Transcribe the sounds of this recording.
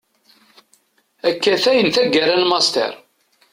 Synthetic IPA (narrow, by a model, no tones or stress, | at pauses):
ækːæθæjənθæɡːæɾalmɑst̪ə̰ɾ